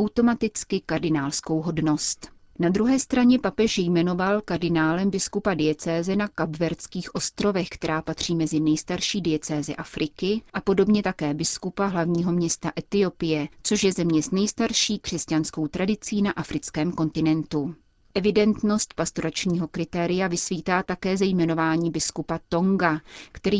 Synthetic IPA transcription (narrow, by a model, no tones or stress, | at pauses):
ʔawt̪o̞mat̪ɪt͡skɪkaɾdɪnaːlsko̞wɦo̞dno̞st̪ | nad̪ɾuɦɛːst̪ɾaɲɛpapɛʃjɛjmɛno̞valkaɾdɪnaːlɛmbɪskupadɪjɛt͡sɛːzɛnakabvɛɾt͡skiːxʔo̞st̪ɾo̞vɛxkt̪ɛɾaːpat̪r̝̥iːmɛzɪnɛjst̪aɾʃiːdɪjɛt͡sɛːzɛ̰ʔafɾʔɪkɪʔapo̞do̞bɲɛt̪akɛːbɪskupaɦlavɲiːɦo̞mɲɛst̪aʔɛt̪ɪo̞pɪjɛt͡soʃjɛzɛmɲɛznɛjst̪aɾʃiːkr̥ɛscansko̞wt̪ɾʔadɪt͡siːnaʔafɾɪt͡skɛːmko̞nt̪ɪnɛnt̪u | ʔɛvɪdɛnt̪no̞st̪̚past̪oɾat͡ʃɲiːɦo̞kɾɪt̪ɛːɾɪjavɪsviːt̪aːt̪akɛːzɛjmɛno̞vaːɲiːbɪskupat̪o̞ŋɡakt̪ɛɾiː